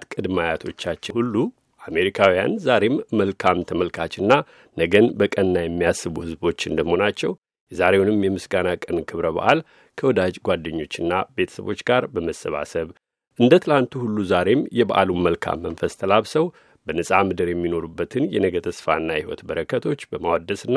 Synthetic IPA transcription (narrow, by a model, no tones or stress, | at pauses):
t̪kʼɨd̪majat̪ʰo̞t͡ʃːat͡ʃːɪhulːu | ʔame̞ɾikʰawija̰nzaɾe̞mːəlkʰamt̪ʰəməlkʰat͡ʃɨnːa | nəɡənbəkʼənnajɛmːijasːɨβuhɨzbo̞t͡ʃːɨnd̪əmho̞nat͡ʃːɛw | jɛzaɾe̞wunɨmjɛmɨsɡanakʼənkʰɨβɾəβa̰ʔal | kʰəwɔd̪ad͡ʒɡʷad̪ːəɲːo̞t͡ʃːɨnːabe̞t̪ʰə̥sə̰βo̞̰t͡ʃːɡaɾbəməsːəβa̰səβ | ʔɨnd̪ət̪ʰɨlant̪ʰuhulːuzaɾe̞mjɛbaʔa̰luməlkʰa̰mːənfəst̪ʰəlaβsəw | b̥ənɨsʼamɨd̪ɨɾjɛmːino̞ɾubːət̪ʰɨnjɛnəɡət̪ʰəsfa̰ɨnːahiwɔ̰t̪bəɾəkʰːət̪ʰo̞t͡ʃːbəmawad̪ːəsɨnːa